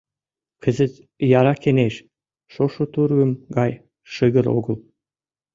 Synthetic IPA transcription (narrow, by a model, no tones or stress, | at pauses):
kʰəzə̆t̪ | jɑɾɑkeneʃ | ʃoʃot̪urɣə̆mɡɑj | ʃəɣə̆ɾo̰ɣəl